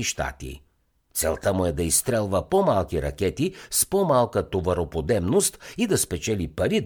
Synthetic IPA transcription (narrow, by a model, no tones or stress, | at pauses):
iʃt̪a̰t̪ḭ | t̪sɛlˠt̪əmʊɛd̪ɐist̪ɾɛlˠvəpɔmalˠkiɾɐ̰k̟ɛt̪ispɔmalˠkət̪ovɐɾopod̪ɛbnost̪id̪ɐspɛt͡ʃɛlipɐɾi